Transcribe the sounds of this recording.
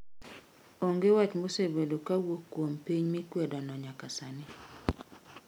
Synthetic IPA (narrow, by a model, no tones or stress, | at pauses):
oŋɡewat͡ʃmosebedokawokːwompiɲmikwɛdɔnɔɲakasanɪ